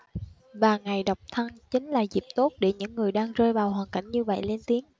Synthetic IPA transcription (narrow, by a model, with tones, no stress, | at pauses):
vaː˨˩ŋa˨˩jɗa˨˩wk͡p̚t̪ʰə˧nt͡ɕï˨˦ŋ̟laː˨˩zi˨˩p̚t̪o˦˥t̚ɗḛ˧˩ɲɨ̰˧˥ŋːɨ˨˩əjɗaː˧ŋzəː˧jvaː˨˩whwaː˨˩nka̰˧˩jŋ̟ɲɨ˧və̰˧˨jle˧nt̪i˨˦əŋ